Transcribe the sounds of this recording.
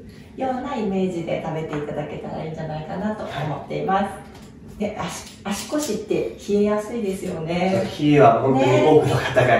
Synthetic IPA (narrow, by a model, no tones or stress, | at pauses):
jo̞ːnaime̞ːʑid̪e̞̰t̪abe̞t̪e̞it̪ad̪ake̞t̪a̰ɾa̰ĩɲd͡ʑanaikanat̪o̞omo̞t̪ːe̞imasɨ̥ | neḁ | aɕi̥ko̞ɕit̪ːe̞çie̞jasɨid̪e̞sɨjo̞ne̞oçʲieβahõ̞nt̪oɲiɡo̞ːkɯ̟nokḁt̪aɡa